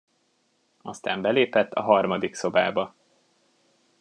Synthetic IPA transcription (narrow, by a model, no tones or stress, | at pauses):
ɒst̪a̰ːmbɛleːpɛt̪ʰːɒɦɒrmɒd̪ikso̞ba̰ːbɒ